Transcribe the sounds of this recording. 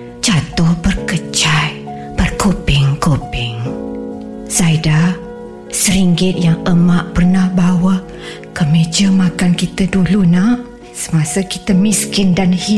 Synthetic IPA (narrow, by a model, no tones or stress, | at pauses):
t͡ʃat̪ʊhbərkət͡ʃaj | b̥ərkopɪŋkopɪŋ | saida | səɾiŋɡɪt̪̚jaŋəmaʔpərnahbawa | kəmed͡ʒəmãkankit̪ədulunah | sə̥masakit̪əmiskɪndanhi